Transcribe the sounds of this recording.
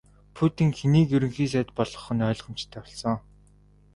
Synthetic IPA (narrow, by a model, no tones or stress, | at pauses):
pʰut̪ĭŋxʰeniːkjɵɾɵ̆ŋxiːs̬æːt̪̚pɔɮɞ̆χɞ̆nœːɮʁə̆m̥t͡ɕt̪ʰːæːɔɮsɞ̆ŋ